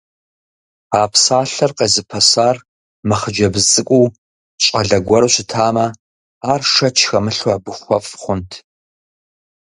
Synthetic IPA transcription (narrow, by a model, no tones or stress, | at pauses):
aːpʰsaːɬɐrqeːzɨpʰɐsaːr | mɐχəd͡ʒɐbɨzt͡sʼɨkʷʼuw | ɕʼɐɮɐɡʷɔɾɕɪtʰaːmɐ | aːrʂɐt͡ʃʰxɐmɨɬwaːbɨχʷɔfʼχʷʊntʰ